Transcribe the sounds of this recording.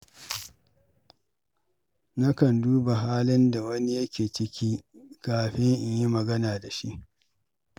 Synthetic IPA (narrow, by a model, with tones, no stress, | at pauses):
na˦kɐ˨nduː˦ba˨ɦaː˦lɪ˦nda˨wɐ˦ni˦jɐ˦kʲeː˨t͡ʃɪ˦kʲiː˦kaː˨ɸɪ˦ŋʔɪ˨ɲji˦mɐ˨ɡɐ˦naː˨da˨ʃi˦ʔ